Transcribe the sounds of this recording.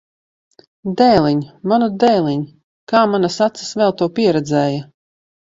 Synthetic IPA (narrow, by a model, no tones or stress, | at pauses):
d̪ɛːlˠiɲmanud̪ɛːlˠiɲ | kaːmanasat̪sḁsvɛlˠt̪uɔpʲiɛɾɛd̪zɛːja